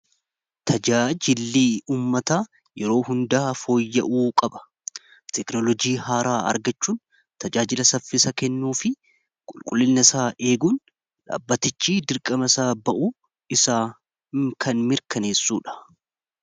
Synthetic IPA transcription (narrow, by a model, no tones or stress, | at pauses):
t̪ʰɐd͡ʒaːd͡ʒɪlːiːuːmːɐt̪aː | jɛɾo̞ːɦʊnd̪aːfo̞ːjːɐʔuːkʼɐbɐ̥ | t̪ɛknɔlɔd͡ʒiːhaːɾaːɐ̰ɾɡɐt͡ʃːuːn | t̪ɐd͡ʒaːd͡ʒɪlɐsɐfːɪsɐkɛnːuːfɪ | kʼʊlkʼʊlːɪlnɐsaːʔe̞ːɡuːn | ᶑa̰ːbːɐt̪ɪt͡ʃːiːd̪ɪɾkʼɐmɐsaːbɐʔuː | ɪsaː | kʰɐnmɪɾkɐneːsːuːᶑɐ̥